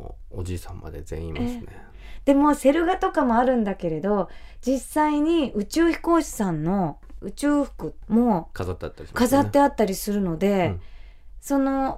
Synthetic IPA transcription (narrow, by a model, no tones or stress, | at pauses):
od͡ʑiːsãmːa̰d̪e̞̰z̥ḛ̃ĩĩmsne | d̪̥e̞mo̞se̞ɾɯ̟ɡat̪o̞kamo̞aɾɯ̟̃nd̪ake̞ɾe̞d̪o̞d͡ʑisːaiɲ̟iɯ̟t͡ɕɨːçi̥ko̞ːɕi̥sãnːo̞ɯ̟t͡ɕɨːɸɯ̟̥kɯ̟mo̞kazat̪ːeat̪ːaɾʲiskazat̪ːe̞at̪ːaɾʲisɨɾɯ̟no̞d̪e̞ | so̞no̞